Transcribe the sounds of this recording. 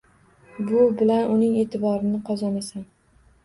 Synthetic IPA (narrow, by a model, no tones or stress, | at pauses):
bʊbɪlanʔʊnɪŋe̞ːt̪ʰɪbɒɾɪnɪqʰɒzɒnasam